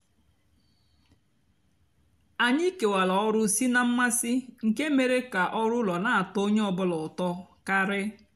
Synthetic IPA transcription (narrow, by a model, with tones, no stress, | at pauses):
a˨ɲi˦ke˨wa˨la˨ɔ˦ɾʊ˦si˦na˦m̩˦ma˦sɪ˦ŋ̩˨ke˦me˨ɾe˦ka˨ʔɔ˦ɾʊ˦lɔ˨na˨a˨to˦ɲe˦ɔ˨bʊ˦lɔ˨ʊ˨tɔ˦ka˦ɾɪ˦